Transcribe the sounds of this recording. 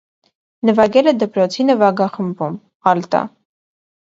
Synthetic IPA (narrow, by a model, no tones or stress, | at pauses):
nəvɑɡɛlɛd̪əpɾɔt͡sʰinəvɑɡɑχəmbum | ɑlt̪ɑ̰